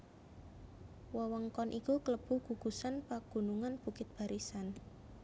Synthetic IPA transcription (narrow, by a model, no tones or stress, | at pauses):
wɔwɔŋkɔnʔikukələb̥ṳɡ̥uɡ̥ṳsanpaɡ̥ṳnuŋanb̥ṳkɪt̪̚b̥a̤ɾʔisan